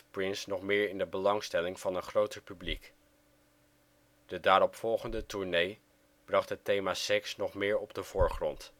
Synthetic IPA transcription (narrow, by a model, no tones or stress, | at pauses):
prɪnsnɔχmɪːɹɪndəbəlɑŋstɛlɪŋv̥ɑnənχrowtəɹpyblik | d̥ədaːɾɔpfɔlˠχəndətuɹnej | b̥rɑχtɦətejmaːsɛksnɔχmɪːɹɔbdəv̥ʊːɹχrɔnt